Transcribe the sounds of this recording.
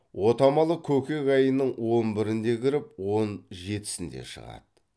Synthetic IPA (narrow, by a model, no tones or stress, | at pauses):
wo̞t̪ɑmɑlˠəkʲʰɵkʲe̞kɑjənəɴwo̞nbɪɾɪnd̪e̞kʲʰɪɾɪpwo̞nʒe̞t̪ɪ̥sɪnd̪e̞̰ʃə̰ʁɑ̰d̪̥ə